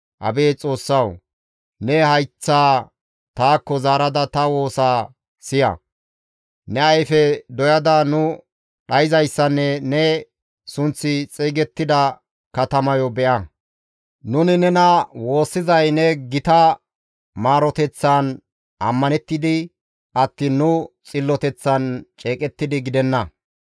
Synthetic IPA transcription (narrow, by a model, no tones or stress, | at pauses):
ʔɐ̰beːt͡sʼo̞ːsːɐw | nɛɦɐjt͡sːaː | t̪aːkːɔzaːɾɐd̪ɐt̪ɐwo̞ːsaː | sɪjɐ̰ | nɛɐjfɛd̪ɔjɐd̪ɐnʊ | ɗɐjɪzɐjsːɐnːɛnɛ | sʊnt͡sːɪt͡sʼiːɡɛt̪ːɪd̪ɐ | kɐt̪ɐmɐjɔbɛʔɐ | nʊnɪnɛnɐwo̞ːsːɪzɐjnɛɡɪt̪ɐ | maːɾɔt̪ɛt͡sːan | ɐ̰mːɐnɛt̪ːɪd̪ɪ | ɐt̪ːiːnːʊt͡sʼɪlːɔt̪ɛt͡sːɐnt͡ʃʼeːkʼɛt̪ːɪd̪ɪɡɪd̪ɛnːɐ